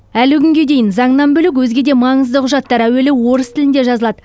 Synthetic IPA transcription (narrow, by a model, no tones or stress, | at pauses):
ælɪkʲʰʏŋɡʲe̞d̪e̞jɪnzɑɴnɑnbɵlɪk̬wɵzɡʲe̞d̪e̞mɑɴəzd̪əqʰʊʒɑt̪ːɑɾæwe̞lewwo̞ɾəst̪ʰɪlɪnd̪e̞ʒɑzəlˠɑd̪ə